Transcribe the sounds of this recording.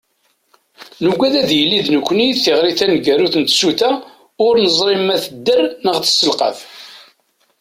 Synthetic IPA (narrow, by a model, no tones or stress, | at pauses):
nuɡʷæðæðjəlːiðnəkʷːniθɪʁɾiθænɡæɾuθənt̪suθæ | ʊɾnəzˤɾimæθəd̪ːərnəʁθə̥sːəlqɑ̰θ